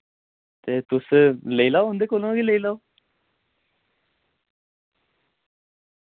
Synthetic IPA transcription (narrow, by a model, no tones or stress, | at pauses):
t̪eːt̪ʊsləiːlaoɦʊ̃nd̪eːkoːlõɡiːləiːlaːoː